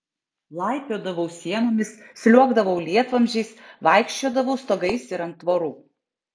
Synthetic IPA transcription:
lˠɑˑɪpʲoːd̪ɐʋɐʊsʲiɛmoːmʲɪssʲlʲuɔɡd̪ɐʋɐʊlʲiɛt̪ʋɐmʲʒʲɛɪsʋɑˑɪkʃʲt͡ʃʲoːd̪ɐʋɐʊst̪oːɡɐɪsɪɾɐnt̪ːʋoːɾuː

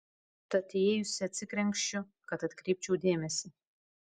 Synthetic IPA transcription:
t̪ɐt̪ʲɪeːjʊsʲɪɐt̪ʲsʲɪkɾʲɛŋʲkʃʲt͡ʃʲʊ | kɐt̪ɐt̪ʲkɾʲɛɪp̚ʲt͡ʃʲɛʊd̪ʲeːmʲɛsʲɪ

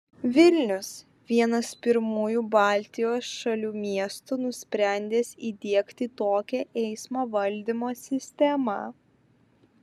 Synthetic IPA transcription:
ʋʲɪlʲnʲʊs | ʋʲiɛnɐspʲɪɾmuːjuːbɑːˑlʲt̪ʲɪjoːsʃɐlʲuːmʲiɛst̪ʊnʊsʲpʲɾʲæˑnʲd̪ʲeːsʲiːd̪ʲiɛkt̪ʲɪt̪oːkʲɛʔɛɪsmoːʋɐlʲd̪ʲɪmoːsʲɪsʲt̪ʲɛmɐ̰

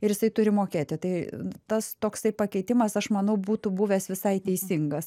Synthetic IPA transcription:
ɪɾjɪsɐɪt̪ʊɾʲɪmoːkʲeːt̪ʲɪt̪ɐɪt̪ɐst̪oːkst̪ɐɪpɐkʲɛɪt̪ʲɪmɐsɐʃmɐnɐʊbuːt̪ʊbuːʋʲɛːsʋʲɪsɐɪt̪ʲɛɪsʲɪŋɡɐs

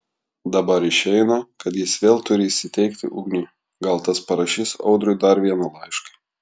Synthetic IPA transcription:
d̪ɐbɐɾɪʃʲɛɪnɐkɐt̪jɪsʋʲeːlˠt̪ʊɾʲɪiʃsʲɪt̪ʲɛɪkt̪ʲɪ̰ʔʊɡnʲiː | ɡɐlˠt̪ɐspɐɾɐʃʲɪsɒ̰ʊd̪ɾʊɪd̪ɐɾʋʲiɛnɐlˠɐɪʃkɐ

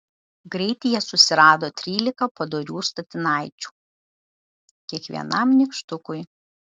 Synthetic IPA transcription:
ɡɾʲɛɪt̪ʲɪjɛsʊsʲɪɾɑːd̪oːt̪ʲɾʲiːlʲɪkɐpɐd̪oːɾʲuːst̪ɐt̪ʲɪnɑˑɪt͡ʃʲu̥ː | kʲiɛkʋʲḭɛ̰nɐmnʲɪkʃt̪ʊkʊɪ

